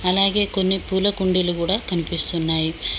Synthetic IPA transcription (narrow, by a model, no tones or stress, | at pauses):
ɐlaːɡe̞ːko̞nːipuːlɐkuɳɖilukuːɽaːkɐnipist̪unːaːji